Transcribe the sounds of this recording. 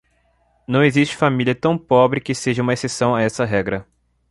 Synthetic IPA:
nɐ̃w̃ezist͡ʃɪ̥familiɐt̪ɐ̃w̃pɔbɾɪkɪseʒɐũmɐesesɐ̃w̃aɛsɐɦɛɡɾɐ

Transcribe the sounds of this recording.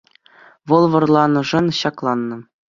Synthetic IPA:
ʋɤ̆lˠʋɤ̆rlˠɑnɤ̆ʐɤ̆nɕɑklˠɑnːɤ̆

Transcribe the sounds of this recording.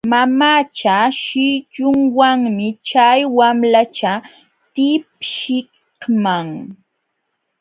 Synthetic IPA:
mamat͡ʃaʃɪt͡ʃʊŋwaŋmɪt͡ʃajwamlat͡ʃa | t̪ɪp̚ʃɪ | maŋ

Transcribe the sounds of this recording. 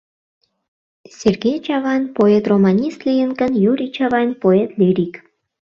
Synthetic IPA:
sʲerɡʲejt͡ɕɑvɑnʲpoet̪romɑnʲist̪lʲijənkə̆njuɾʲit͡ɕɑvɑnʲpoet̪lʲiɾʲik

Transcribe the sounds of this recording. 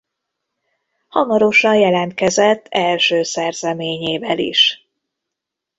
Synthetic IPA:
hɒmɒɾo̞ʃɒnjɛlɛnt̪̚kɛzɛt̪ʰːɛlʃøːsɛrzɛmeːɲeːvɛlḭʃ

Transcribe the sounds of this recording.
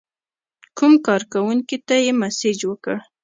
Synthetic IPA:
kumkɑɾkawuŋkit̪ajemasɪd͡ʒwəkəɽ

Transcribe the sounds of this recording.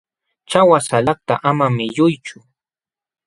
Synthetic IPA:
t͡ʃawasalɑχt̪a̰ʔamamɪʎʊjt͡ʃʊ

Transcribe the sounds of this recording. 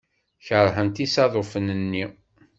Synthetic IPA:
çəɾˤɦənt̪isɑðˤofənənːi

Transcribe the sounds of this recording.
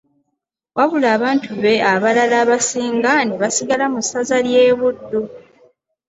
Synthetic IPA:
wʔaβulaːβaːntʰuβe̞aβalalaːβasiːŋɡaniβasiɡalamusazalje̞ːβudːu

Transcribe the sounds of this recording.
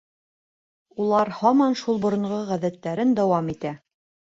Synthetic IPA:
ulˠɑɾhɑmɑnʃulˠbŏɾŏɴʁɤʁæðæt̪ːæɾɘnd̪æwɑmit̪æ

